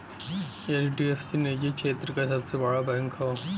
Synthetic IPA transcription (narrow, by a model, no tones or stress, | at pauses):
eːt͡ʃɖiefsined͡ʒikʃeːt̪ɾəkasɐbsebɐɽabɛ̃ːŋkɦooː